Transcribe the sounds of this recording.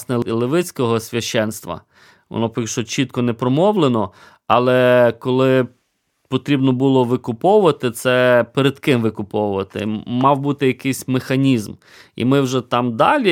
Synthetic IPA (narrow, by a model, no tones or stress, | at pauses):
snɛlˠɪʋɪt͡sʲkɔɦɔsʲʋʲɐʃt͡ʃɛnst̪ʋɐ̰ | ʋɔ̰nɔpʲkʃɔt͡ʃit̪̚kɔnɛpɾɔmɔwlˠenɔ | ɐlˠɛkɔlˠɪ | pɔt̪ɾʲibnɔbulˠɔʋɪkʊpɔwʊʋɐt̪ɪt̪sɛpeɾed̪kɪmʋɪkʊpɔwʊʋɐt̪ɪ̰mɑwbut̪ɪjɐkɪjsʲmexɐnʲizm | ḭmɪwʒɛt̪ɑmd̪ɑlʲi